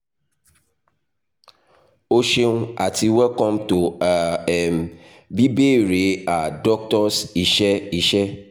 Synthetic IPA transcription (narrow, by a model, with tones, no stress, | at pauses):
o˦ʃe˦nũ˦a˨ti˨wɛ˦kɔ̃˦mto˨a˨ɛ˨m | bi˦be˦˨ɾe˨˦a˨dɔ˦k̚tɔ˦si˨ʃɛ˦i˨ʃɛ˦